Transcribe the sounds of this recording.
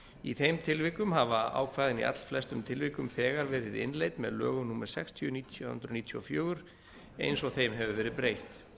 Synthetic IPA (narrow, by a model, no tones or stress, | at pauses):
iθejmt̪ʰɪlvɪkʏmɦavaa̰ːwkʰvaːjðɪnḭʔa̰t̪l̥flɛst̪ʏmt̪ʰɪlvɪhkʏmpʰɛːɣaɾvɛːɾɪðɪ̰nlejt̪mɛ̰ðlœ̰ːɣʏnumɛɾ̥sɛ̰kst̪ʰjʏniːt̪ʰjhʏ̰nt̪ɾʏniːt̪ʰjɔ̰fjœːɣʏɾ̥ | ḛjnsɔɣθejmɦɛvʏvɛːɾɪðpɾejht̪